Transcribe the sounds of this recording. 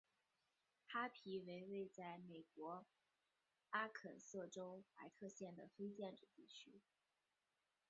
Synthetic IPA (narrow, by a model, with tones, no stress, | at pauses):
xa˥pʰi˧˥we˧˥ɪwe˥˧ɪt͡sa˥˩ɪme˨˩ɪkwɔ˧˥ | a˥kʰə̰˨˩nsɤ˥˩ʈ͡ʂo˥ʊpa˧˥ɪt̪ʰɤ˥˧ɕjɛ˥˩nd̪ə˩fe˥ɪt͡ɕjɛ˥˩nʈ͡ʂ̩˨˩t̪i˥˩t͡ɕʰy˥